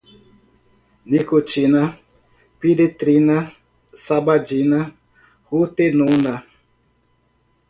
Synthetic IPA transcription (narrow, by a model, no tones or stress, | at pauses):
nikot͡ʃina | pidet̪ɾina | sabad͡ʒina | hut̪enuna